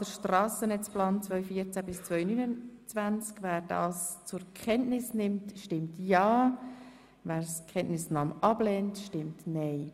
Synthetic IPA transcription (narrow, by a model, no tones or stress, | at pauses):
d̥əɾʃtrɑːsənɛt͡splɑːnt͡svœʏfiːət͡sæbɪst͡svœʏnynət͡svænt͡skvæːɾd̥ɑ̰ːst͡sʊɾkʰχɛntnɪsnɪmtʃtɪmtjɑː | væːɾskʰχɛnʔnɪsnɑːmʔɑb̥lɛːntʃtɪmtnɛɪ